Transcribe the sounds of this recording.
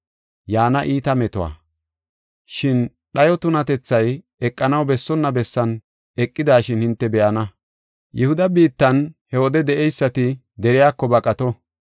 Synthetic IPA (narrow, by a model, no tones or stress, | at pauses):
jaːnɐʔiːt̪ɐmɛt̪ɔwa̰ː | ʃɪn | ɗɐjɔt̪ʊnɐt̪ɛt͡sːɐj | ɛkʼːɐnɐwbɛsːɔnːɐbɛsːɐn | ɛkʼːɪd̪aːʃɪnhɪnt̪ːɛbɛʔɐnɐ | jɛhʊd̪ɐbiːt̪ːɐnhɛwɔd̪ɛd̪ɛʔɛjsːɐt̪ɪ | d̪ɛɾɪjaːkːɔbɐkʼɐt̪ɔ